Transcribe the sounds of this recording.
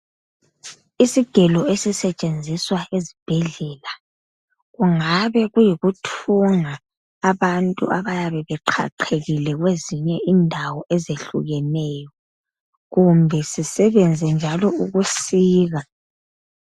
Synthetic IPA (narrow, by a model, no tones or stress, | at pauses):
isiɡ̥ʱɛlɔesisɛt͡ʃʼend͡zʱiswaʔezib̥ʱɛɮɛla | ɣuŋaβɛɣujiɣutʰuŋaː | βantʼṵʔaβajaβɛβɛǃʰa̰ǃʰeɣilɛɣweziɲɛindʱawɔʔɛzeɬṵɣɛnɛjɔ | ɣumbʱɛsisɛβɛnd͡zʱɛnd͡ʒʱalɔuɣusiːɣa